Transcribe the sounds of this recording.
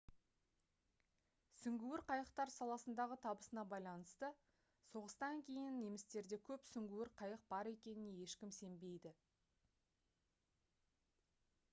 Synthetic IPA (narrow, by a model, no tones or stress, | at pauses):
sʏŋɡʲuwɪɾqʰɑjəqt̪ɑɾsɑlˠɑsənd̪ɑʁət̪ʰɑbəsənɑbɑjlˠɑnəst̪ə | so̞ʁəst̪ɑŋkʲʰe̞jɪnːe̞mɪst̪e̞ɾd̪e̞kʲʰɵpsʏŋɡʲuwɪɾqʰɑjəq̚bɑɾe̞kʲe̞nɪne̞je̞ʃkʲɪmse̞mbe̞jd̪ɪ